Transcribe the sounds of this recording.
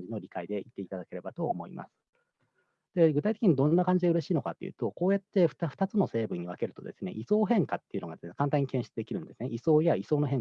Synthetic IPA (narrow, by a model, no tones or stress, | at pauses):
d͡ʑino̞ɾʲikaid̪e̞it̪ːe̞it̪ad̪ake̞ɾe̞bat̪o̞̰ːmo̞̰ḭmʔa̰sɨ̥ | d̪̥e̞ɡɯt̪ait̪ekiɲ̟id̪õ̞nnːakãɲ̟d͡ʑid̪eɯ̟ɾe̞ɕiːno̞kat̪ːe̞jiɯ̰ːt̪o̞ko̞ːjat̪ːe̞ɸɯ̟̥t̪aɸɯ̟̥t̪at͡sɨno̞se̞ːbɯ̟̃ɲ̟ːiβake̞ɾɯ̟t̪o̞d̪e̞sɨne̞̰ʔiso̞ːɦẽ̞ŋkat̪ːe̞iɯ̟noɡad̪esnekãnt̪aɲ̟ːikẽ̞ɰ̃ɕi̥t͡sɨd̪e̞kʲiɾɯ̟̃nd̪e̞sɨneʔiso̞ːjaiso̞ːno̞ɦẽ̞ŋ